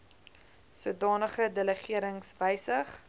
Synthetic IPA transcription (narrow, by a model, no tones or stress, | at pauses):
suədɑːnəχədələχiəɾəŋsvəjsəχ